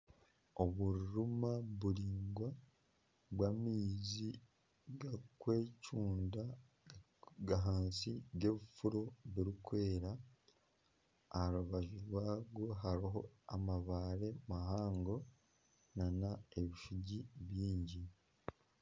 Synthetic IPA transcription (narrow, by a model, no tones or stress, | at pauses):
oβuɾɾumaβuɾiːŋɡwa | βwamizi | ɡakwe̞ːcuːnda | ɡaɦaːnsiɡe̞βifuɾoβiɾikwe̞ːɾa | ɾuβaʒiɾwaːɡoɦaɾiɦo̞amaβaːɾe̞mahaːŋɡo̞ | nanae̞βifuɟiβjiːɲɟi